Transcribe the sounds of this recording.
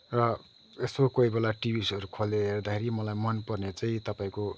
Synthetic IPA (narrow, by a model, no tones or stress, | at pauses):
rʌ | esokoibelaʈibisʌɾukʰoleɦerd̪akʰeɾimʌlajmʌnpʌrnet͡saĩt̪ʌpaĩko